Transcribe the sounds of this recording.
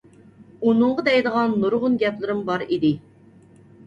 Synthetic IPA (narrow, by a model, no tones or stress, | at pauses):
unɨɴʁəd̪ɛjd̪əʁɑnːuɾʁʊnɡʲɛplɪɾɪmbɑɾid̪ɪ